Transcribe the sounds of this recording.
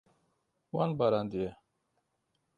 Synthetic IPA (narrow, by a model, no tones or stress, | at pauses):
wanbaɾand̪ije